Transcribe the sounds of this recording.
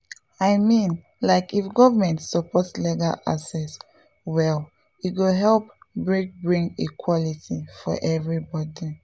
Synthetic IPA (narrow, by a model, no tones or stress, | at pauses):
aɪmĩn | laɪkifɡɔvəmɛ̃ntsɔpɔtsliɡala̰sɛs | wɛl | it̚ɡoɦɛlˠp̚bɹik̚bɹĩŋɡḭkʰwɔlitifɔ̰ʔɛvɹibɔdi